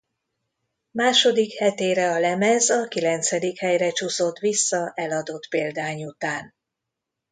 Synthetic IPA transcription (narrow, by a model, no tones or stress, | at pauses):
maːʃo̞d̪ikhɛt̪eːɾɛɒlɛmɛzɒkilɛnt̪sɛd̪ikhɛjrɛt͡ʃuso̞t̪ʋisːɒʔɛlɒd̪o̞t̪peːld̪aːɲut̪aːn